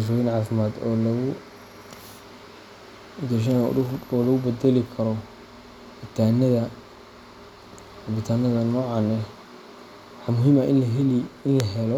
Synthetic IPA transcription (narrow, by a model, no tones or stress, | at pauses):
ʃ̬ɔːjɪnʕaːfɪmaːd̪ɔlʊ | d̪ɛʃ̬ɐn̰ʊɔːlɐɣʊbɛd̪ɛlɪkʰɐɾɔ | bɪt̪ʰanɐðɐ | hɐbɪt̪ʰaːnɐðɐnɔːʕɑnɛ | ħɑmʊɦiːmɐɪɪnlɐɦɛlɔ